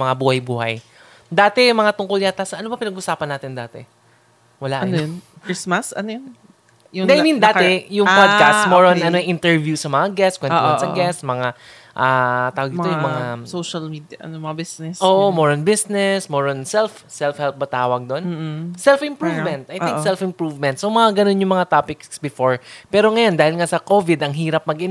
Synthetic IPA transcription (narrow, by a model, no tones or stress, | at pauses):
mɐŋabuːhɐjbuːhɐ̰j | d̪aːt̪ɛmɐŋat̪ʊŋkʊljat̪ːaːsɐʔɐno̞bɐpɪnɐɡʔʊsaːpɐnːaːt̪ɪnd̪aːt̪ɛ̰ | wɐlaʔɐnoj̪ | kɹismɐsɐ̰nojon | jʊɛʔajmĩnd̪aːt̪ɛjʊŋpod̪̚kast̪moɹonʔɐnoʔɪnt̪ɛɹvjusɐmɐŋaɡɛstkwɛnsɐɡɛstsmɐŋa | ʔat̪aːwɐɡ̪̚ɪt̪ojʊŋmɐŋasoʃɐlmid̪ɐʔɐnomɐbisnɛsoːʔomoɹonbɪsnɛsmoːɹonsɛlf | sɛlfhɛlp̚bɐt̪aːwɐɡ̚d̪o̞n̩ːsɛlfɪ̃mpɹuvmɛ̃nt̪̚ʔɐjtɪ̃ŋkksɛlfɪmpɹuːvmɛnt̪̚somɐŋaɡɐno̞njʊŋmɐŋat̪aːpɪksbɪfoɹpɛːɾo̞ŋɐjo̞nd̪aːhɪlŋasɐko̞ːvɪd̪ɐŋɦiːɾɐp̚mɐɡʔɪn